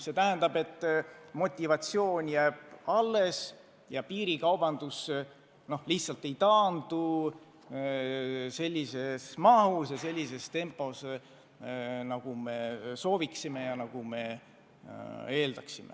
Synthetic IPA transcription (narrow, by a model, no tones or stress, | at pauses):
se̞t̪æɦænd̪̥ɑbe̞t̪ˑːmo̞t̪ʲːivɑt̪sio̞ːnʲjæːb̥ɑlːe̞s | jɑpiːɾikɑwb̥ɑnd̪̥us | no̞hliht̪sɑlt̪ːˑe̞jt̪ɑːnd̪̥u | se̞lʲːise̞smɑɦusjɑse̞lʲːise̞st̪e̞mpːˑo̞s | nɑɡ̥ume̞so̞ːviksime̞jɑnɑɡ̥ume̞ | e̞ːld̪̥ɑksimḛ